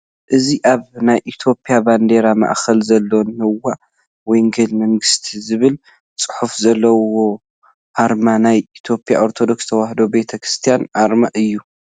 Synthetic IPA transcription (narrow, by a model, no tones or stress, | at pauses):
ʔɨziʔaβnajʔit̪ʰjo̞pʼijaband̪e̞ɾama̰ʔxɐlzɐlːonhɨwːaʔ | wɔjŋɡɐlmɐŋɡɨst̪ʰizɨβɨl | t͡sʼɨ̥ħufzɐlːɐwo̞ | ʔaɾmanajit̪ʰjo̞pʼjaʔo̞ɾt̪ʰo̞d̪o̞kst̪ʰɐwahd̪obe̞t̪ʰɐkɾɨst̪ʰijanʔaɾmaʔɨjːu